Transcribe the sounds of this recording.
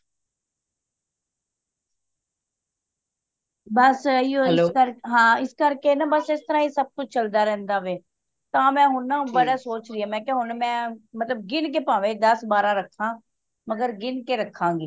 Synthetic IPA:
bəsiːookəɾɦãːɪskəɾkeːnaːbəsɪst̪əɾãːiːsəb̚kʊt͡ʃʰt͡ʃəld̪aːɾɛ̃ːnd̪aːʋeː | t̪ãːmɛ̃ːɦʊnãːbəɽaːsoːt͡ʃɾɪaːmɛ̃ːkeɦʊnmɛ̃ːmət̪ləb̚ɡɪnk̬eːpãːʋẽːd̪əsbaːɾãːɾəkʰːãː | məɡəɾɡɪnkeːɾəkʰːãːɡiː

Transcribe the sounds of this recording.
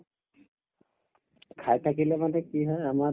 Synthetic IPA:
kʰajtʰak̬ilɛmanɛkiɦɔjama

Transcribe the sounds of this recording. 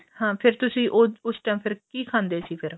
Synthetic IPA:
hãːpʰɪɾt̪ʊsĩːʔoʊsʈajmpʰɪɾkiːkʰãːnd̪eːsiːpʰɪɾ

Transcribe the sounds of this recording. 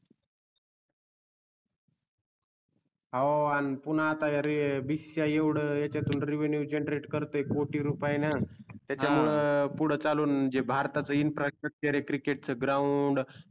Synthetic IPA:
ɦaanipun̤aːt̪ajaɾibisjajeʋɽ̤əjat͡ɕat̪uːnɾiʋenjud͡ʑeɳɖɾeʈkəɾt̪əekoʈiːɾupajnat̪jat͡ɕamuɭəpuɽ̤ət͡saluːnd͡ʑebʱaɾt̪at͡səinfɾasʈək̚t͡ɕəɾekɾikeʈ̚t͡səɡɾawuɳɖ

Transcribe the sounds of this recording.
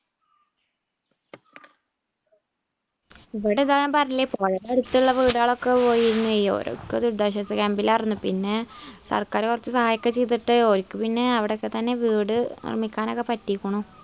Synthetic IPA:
iʋiɽeðaːampɐrɐilːipoːɻɐɾeeɽut̪ːiɭːɐʋiːɽaːɭo̞kːe̞po̞ːjiiɾunːuʋejːo̰ɾo̰kːed̪uɾd̪ɐɕɐsɐkembilɐrinːupinːe̞sɐ̰rkaːɾkurɐt͡ɕːɨsɐhaːjɐkʲːɐt͡ɕejt̪̬ːiʈːɨoɾikʲːɨpinːe̞ɐʋiɽekːet̪ɐnːe̞ʋiːɽɨnḭrmːikʲːaːnokːepɐtːikʲːuɳu

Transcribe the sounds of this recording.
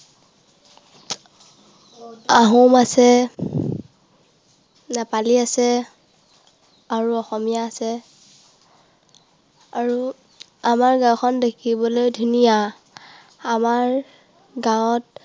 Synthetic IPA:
aɦumasɛ | napaliasɛ | aɹuɔxɔmijaːsɛ | aɹu | amaɹɡãwkʰɔndekʰibɔlojdʱunija | amaɹ | ɡawt̚

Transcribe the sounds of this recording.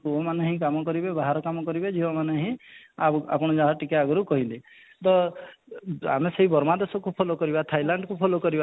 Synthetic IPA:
uɔmaneɦĩk̬amɔkɔɾibebaɦaɾɔkamɔkɔɾibed͡ʒiɔmaneɦĩaa̰pɔɽ̃ɔd͡ʒaɦɔʈikaaɡɔɾukɔɦili | t̪ɔ | a̰meseɦibɔɾmad̪esɔkupʰolokɔɾibat̪ʰajlaɳɖkupʰolokɔɾiba

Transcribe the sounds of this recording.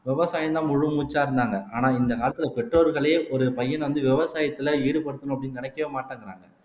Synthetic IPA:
ʋɪʋɐsaːjɐnt̪ãːmʊɻɯmuːt͡ʃːaːɪɾɯnd̪aːŋɡɐʔaːnaːɪnd̪ɐkaːlɐt̪ːɯlɐpɛʈroːɾɣɐɭeːʔɔɾɯpɐjːɐnʋɐnd̪ɯʋɪʋɐsaːjɐt̪ːɪlɐiːɽɯpɐɽɯt̪ːɐnʊ̃ɐpːɐɽɪnːɯnɪnɐkːɐʋeːmaːʈːaːŋɡɪɾa̰ːŋɡɐ

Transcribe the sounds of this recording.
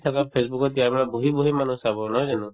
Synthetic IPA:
t̪ʰakapʰesbukɔtjaɹbaɹabuɦibuɦimanɔ̃sabɔnɔjdanũ

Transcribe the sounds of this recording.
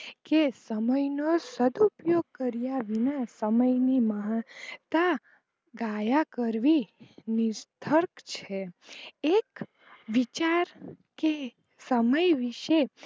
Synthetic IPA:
kesəməjnosəd̪upjoɡ̚kəɾijaʋinasəməjniməɦt̪a | ɡajakəɾʋinist̪ʰəɾkt͡ʃʰeek | ʋit͡ʃaɾ | ke | səməjʋiʃe

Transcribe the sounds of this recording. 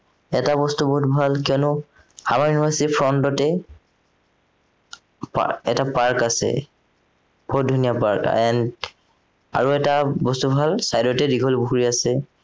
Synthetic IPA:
ɛtabɔstubɔɦutbʱalkiɔnʊ | hamaɹjunibaɹsitipʰɹɔntɔtɛ | pa̰ɛ̰tapaɹkasɛ̰ | b̥ɔɦut̚dʱunijapa̰ɹkɛn | a̰ɹuɛtabɔstubʱalsajdɔtɛdiɡʱɔlbuɦuɹiasɛ

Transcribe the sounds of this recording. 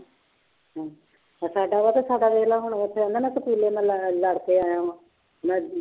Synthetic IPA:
ɦãː | saːɖaːʋaːt̪eːsaːɖaːʋeːlaːɦʊɳ̃ːt̪ʰːeːãnd̪anãːsəpuːleːnãːlləɽkeːaːjãːʋãː | nãː

